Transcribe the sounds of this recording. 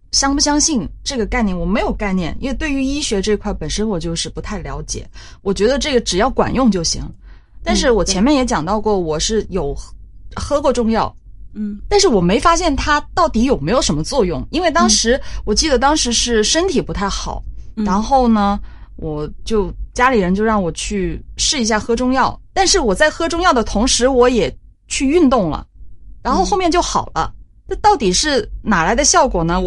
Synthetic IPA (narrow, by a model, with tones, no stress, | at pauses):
ɕjɑ˥ŋpu˥˩ɕjɑ˥ŋɕi˥˧nʈ͡ʂɤ˥˩ɡə˩ka˥˧ɪnjɛ˥˩nwɔ˨˩me˧˥ɪjo˨˩ʊka˥˧ɪnjɛ˥˩nʔḭ˥nwe˥˧t̪we˥˩ɪy˧˥i˥ɕɥɛ˧˥ʈ͡ʂɤ˥˧i˧kʰwa˥˩ɪpə˨˩nʂə˥nwɔ˨˩t͡ɕjo˥˧ʊʂɻ̩˥˩pu˧˥t̪ʰa˥˩ɪljɑ˧˥ʊt͡ɕjɛ̰˨˩˦ | wɔ˨˩t͡ɕɥɛ˧˥d̪ə˧ʈ͡ʂɤ˥˩ɡə˩ʈ͡ʂɻ̩˨˩jɑ˥˩ʊkwa̰˨˩njʊ˥˧ŋt͡ɕjo˥˩ʊɕḭ˧˥ŋə | t̪a˥˧nʂɻ̩˥˩wɔ˨˩t͡ɕʰjɛ˧˥nmjɛ˥˩njɛ˧˥t͡ɕjɑ˨˩ŋt̪ɑ˥˧ʊkwɔ˥˩wɔ˨˩ʂɻ̩˥˩jo˨˩ʊxɤ˥kwɔ˥˧ʈ͡ʂʊ˥˧ŋjɑ˥˩ʊ | t̪a˥˧nʂ̬ɻ̩˥˩wɔ˨˩me˧˥ɪfa˥ɕ̬jɛ˥˩nt̪ʰa˥t̪ɑ˥˩ʊt̪i˧˥jo˨˩ʊme˧˥ɪjo˨˩ʊʂə˧˥nmə˧t͡swɔ˥˧jʊ˥˩ŋi˥nwe˥˩ɪt̪ɑ˥ŋʂɻ̩˧˥wɔ˨˩t͡ɕi˥˩d̪ə˩t̪ɑ˥ŋʂɻ̩˧˥ʂɻ̩˥˩ʂə˥nt̪ʰi˨˩pu˧˥t̪ʰa˥˩ɪxɑ̰˨˩˦ʊɻa˧˥nxo˥˩ʊnə˩ | wɔ˨˩t͡ɕjo˥˧ʊt͡ɕja˥li˨˩ɻə˧˥nt͡ɕjo˥˧ʊɻɑ˥˩ŋwɔ˨˩t͡ɕʰy˥˧ʂɻ̩˥˩i˧˥ɕja˥˩xɤ˥ʈ͡ʂʊ˥˧ŋjɑ˥˩ʊt̪a˥˧nʂɻ̩˥˩wɔ˨˩t͡sa˥˩ɪxɤ˥ʈ͡ʂʊ˥ŋjɑ˥˩ʊd̪ə˩t̪ʰʊ˧˥ŋʂɻ̩˧˥wɔ˧˥jɛ˨˩ | t͡ɕʰy˥˧y˥˧nt̪ʊ˥˩ŋlə̰˩ɻa˧˥nxo˥˧ʊxo˥˧ʊmjɛ˥˧nt͡ɕjo˥˩ʊxɑ˨˩ʊlə̰˦ | na˥˧t̪ɑ˥˩ʊt̪i˨˩ʂɻ̩˥˩na˨˩la˧˥ɪd̪ə˧ɕjɑ˥˩ʊkwɔ˨˩nə˦